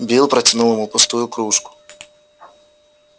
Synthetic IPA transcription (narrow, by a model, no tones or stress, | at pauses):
bʲilˠpɾɐt͡sʲinulˠemʊpʊst̪ujʊkɾuʂkʊ̥